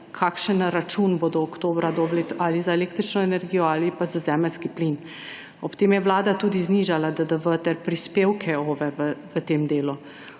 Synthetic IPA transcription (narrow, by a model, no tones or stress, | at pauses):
kʰaːkʃənɾat͡ʃunboːd̪ɔːkt̪oːbɾad̪oblet̪alizaeleːkt̪ɾit͡ʃnɔɛnɛɾɡijɔaːlipazazɛːməlskiplin | ɔpt̪eːmjɛʋlaːd̪at̪uːd̪izniːʒalad̪əd̪əʋət̪ɛɾpɾispeːwkʰɛoːʋɛʋəʋət̪eːmd̪eːlu